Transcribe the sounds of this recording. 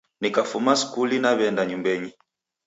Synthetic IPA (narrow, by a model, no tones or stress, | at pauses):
nikafumasi̥kulinaβɛndaɲumbɛɲi